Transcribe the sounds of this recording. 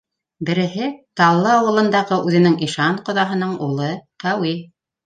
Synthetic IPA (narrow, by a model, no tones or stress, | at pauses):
bɘ̆ɾɘ̆ɦɘt̪ɑlˠːɤɑwɤ̆lˠɤ̆nd̪ɑʁɤʔʉðɘ̆nɘŋʔiʃɑɴqŏðɑɦɤ̆nɤɴulˠɤqæwi